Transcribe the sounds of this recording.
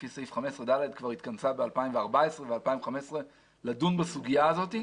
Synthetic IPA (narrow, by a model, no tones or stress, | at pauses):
fisejfχame̞sʁed̪aled̪kvaʁit̪kant͡sabealpaimveaʁbaesʁevealpaimχamesʁe | ladunbasuɡijaːzo̞t̪i